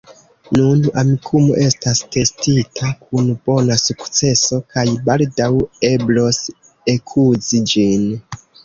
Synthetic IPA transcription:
nunamikʰumo̞̰ʔe̞staste̞stitʰakʰunb̥o̞nasukt͡se̞so̞kajbaldawe̞blo̞s | ekʰuzid͡ʒin

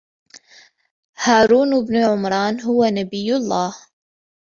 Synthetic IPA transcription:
haːɾˤuːnwɪbnʕʊmɾˤɑːnɦʊwanabɪjːʊlˤːɑːh

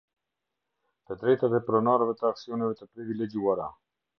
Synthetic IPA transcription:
t̪əd̪ɾɛt̪aðɛpɾɔnɑɾəvɛt̪əaksionɛvɛt̪əpɾiviled͡ʒiwaɾa

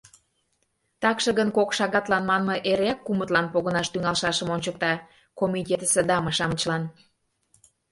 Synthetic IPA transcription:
t̪ɑkʃə̆ɣənkokʃɑɣɑt̪lɑnmɑnmɤ̆ʔeɾeɑkːumət̪lɑnpoɣənɑʃt̪yŋɑlʃɑʃə̆monʲt͡ɕək̚t̪ɑ | komʲitʲet̪əsed̪ɑmə̆ʃɑmət͡ɕlɑn

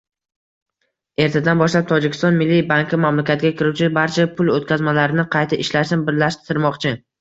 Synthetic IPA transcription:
e̞ɾt̪ʰad̪anbɒʃlab̚t̪ʰɒd͡ʒɪkʲʰɪst̪ɒnmɪlːibaŋkʰʲɪmamlakʲat̪ɡʲakʲɪɾut͡ʃʰɪbaɾt͡ʃʰapʰʊlˠot̪̚kʲazmalaɾɪnɪqʰɑjt̪ʰaʔɪʃlaʃsɪnbɪɾlaʃt̪ʰɪɾmɒqt͡ʃʰɪ

